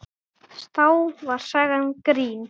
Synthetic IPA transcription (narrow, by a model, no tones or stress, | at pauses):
st̪awvaɾ̥sɛɣankɾiːn